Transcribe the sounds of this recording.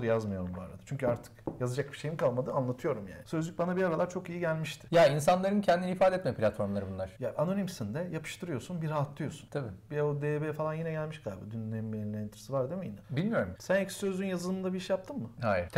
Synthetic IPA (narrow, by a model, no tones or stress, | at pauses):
ɾɯjazmɯjo̞ɾumbua̰ɾad̪at͡ʃʰyɲcʰyaɾt̪ʰɯ̥kjazad͡ʒak̚bi̥ʃe̞jimkʰalˠmad̪ɯanlˠat̪ʰɯjo̞ɾumja̰ːnɪsø̞zlʲyc̚ʲbanabiaɾalˠaɾt͡ʃʰo̞kijiɟælʲmiʃt̪ʰɪ̥jainsanlˠaɾɯncʰɛnd̪iniifaːd̪eɛɛt̪mɛpʰlʲat̪fo̞ɾmlˠaɾɯbunlˠaɾ̥jaʔano̞nimsind̪ɛjapʰɯ̥ʃt̪ʰɯɾɯjo̞sunbiɾhaɦat̪lˠɯjo̞su̥nt̪ʰabibiɛod̪ebefalˠanjinɛɟælʲmiʃɡalbṵd̪ynːemːelʲeɾinɛɛnt̪iɾesivaɾd̪emejnabilʲmijo̞ɾumsænɛcssø̞zlʲynjazɯlˠɯnd̪abiiʃjap̚t̪ʰɯmːɯhajiɾʰ